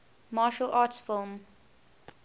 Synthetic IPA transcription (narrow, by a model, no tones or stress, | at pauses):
mɑːʃəlʔɑːtsfɪlˠm